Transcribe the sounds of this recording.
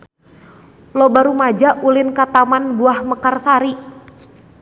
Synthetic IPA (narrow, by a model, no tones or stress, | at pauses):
lɔbaɾumad͡ʒaʔulɪnkat̪amanbuahməkarsaɾi